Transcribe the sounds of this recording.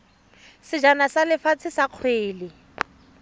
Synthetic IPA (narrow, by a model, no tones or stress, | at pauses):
sɪd͡ʒanasalɪfat͡sʰɪsaq͡χʰweːlɪ